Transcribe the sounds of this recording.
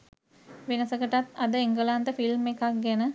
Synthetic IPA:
ʋenəsəkəʈat̪ad̪əeŋɡəlant̪əfilmekak̚ɡænə

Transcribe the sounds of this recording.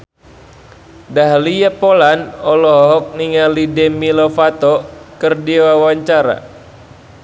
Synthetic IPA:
daɦlijapolanɔlɔɦɔɦɔk̚niŋalidɛmilɔfat̪ɔkərdiwawaɲt͡ʃaɾa̰

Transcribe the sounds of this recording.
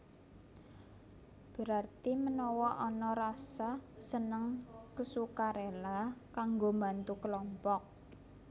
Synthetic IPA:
b̥ə̤ɾart̪imənɔwɔʔɔnɔɾasasənəŋkəsukaɾelakaŋɡombant̪ukəlɔmpɔk̚

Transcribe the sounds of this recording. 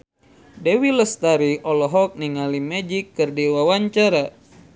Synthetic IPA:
dewiləst̪aɾiɔlɔɦɔk̚niŋalimad͡ʒikːɨrdiwawaɲt͡ʃaɾa

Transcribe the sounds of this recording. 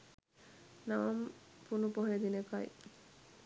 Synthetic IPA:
naʋampunupoɦɾed̪ineka̰j

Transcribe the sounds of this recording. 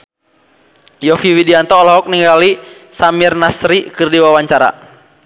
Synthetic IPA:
jɔfiwidiant̪ɔːlɔɦɔk̚niŋɡalisamirnasɾikɨrdiwawaɲt͡ʃaɾa̰

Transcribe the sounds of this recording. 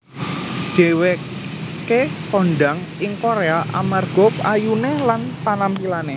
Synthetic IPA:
d̥e̤we | kekɔnɖaŋ | ɪŋkoɾeaʔa̰marɡ̥ɔpajunelanpanampilane

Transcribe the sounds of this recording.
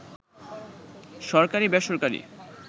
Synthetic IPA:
ʃɔɾkaɾibɛʃoɾkaɾḭ

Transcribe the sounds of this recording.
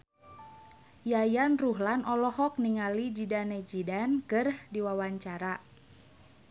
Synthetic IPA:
jajanruɦlanʔɔlɔhɔk̚niŋalid͡ʒidaned͡ʒidankərhdiwawaɲt͡ʃaɾa

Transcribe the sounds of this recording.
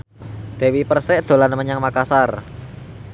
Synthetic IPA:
d̪̥e̤wipərsɛʔd̪̥o̤lanməɲaŋmakasar

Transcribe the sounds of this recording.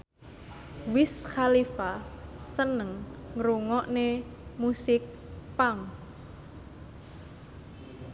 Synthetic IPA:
wɪsxalifasənəŋːɾuŋɔʔnemusɪk̚ | paŋ

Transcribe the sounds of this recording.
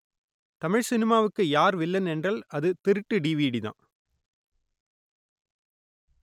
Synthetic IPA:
t̪ɐmɪɻsɪnɪmaːʋɯkːɯjaːɾʋɪlːɐnɛndraːlɐðɯt̪ɪɾɯʈːɯɖiːʋiːɽiðã̰ː

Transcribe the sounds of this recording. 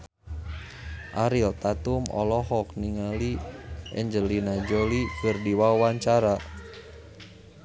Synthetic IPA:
ʔaɾilt̪at̪umɔ̰lɔɦɔk̚niŋaliɛ̰ɲd͡ʒəlinad͡ʒɔlikirdiwauwaɲt͡ʃaɾa

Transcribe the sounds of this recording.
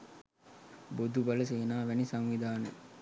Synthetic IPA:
bod̪ubɐləs̬eːnaːʋænisaŋʋid̪aːnə

